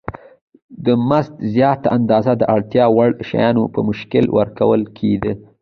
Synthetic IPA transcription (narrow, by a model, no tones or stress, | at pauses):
d̪əmazt̪zjɑt̪aand̪ɑzad̪əʔaɽt̪jɑwaɽʃa̰jɑnopə̰mʊʃkɪlwʔə̰ɾkawəlkʰed̪ə